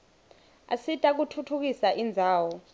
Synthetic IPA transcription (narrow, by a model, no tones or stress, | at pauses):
a̰sitʼak̬utʰutʰuk̬isaʔind͡zʱaːwɔ